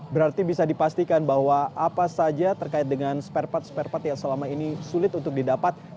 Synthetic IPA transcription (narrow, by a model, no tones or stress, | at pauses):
bəɾart̪ibisadipast̪ikanbahwaʔapasad͡ʒat̪ərkaɪt̪̚dəŋanspɛrpat̪̚spɛrpat̪jaŋsəlamainisulɪt̪unt̪ʊk̚didapat̪̚